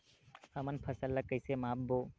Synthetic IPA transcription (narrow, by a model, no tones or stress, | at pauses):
həmənpʰəsəlːəkəjsemaːbboː